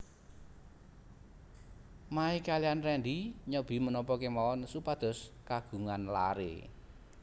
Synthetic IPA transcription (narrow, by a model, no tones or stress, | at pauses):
maikalijanrɛnɖ̪iɲəb̥i̤mənɔpɔkemaɔnsupad̪̥ɔ̤skaɡ̥ṳŋanla̰ɾḛ